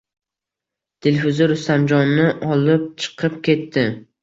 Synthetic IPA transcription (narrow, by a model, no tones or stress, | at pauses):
t̪ʰelʲfɪzɪɾʊst̪amd͡ʒɒnːɪʔɒlˠɪp̚t͡ʃʰɨ̥qʰɨpkʲʰe̞t̪ʰːɪ